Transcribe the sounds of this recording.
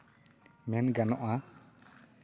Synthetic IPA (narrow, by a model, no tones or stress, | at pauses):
mɛnɡanɔʔa